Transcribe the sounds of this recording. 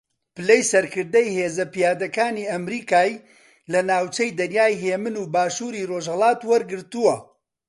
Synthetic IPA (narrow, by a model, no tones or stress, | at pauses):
pɨlejsɐɾkɨɾd̪ɐjheːzɐpijaːd̪ɐkaːniːɐmɾiːkaːj | lɐnaːwt͡ʃɐjd̪ɐnjaːjɦeːmɨnuːbaːʃuːɾiːroʒhɐlˠaːt̪wɐɾɡɨɾt̪uwɐ